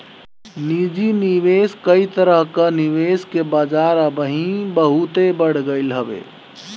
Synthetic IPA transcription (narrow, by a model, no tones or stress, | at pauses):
nid͡ʒiniʋeskəit̪əɾəɦkaniʋeskebad͡ʒaɾəbəɦĩbəɦut̪ebəɽ̤ɡəɪlɦəbḛ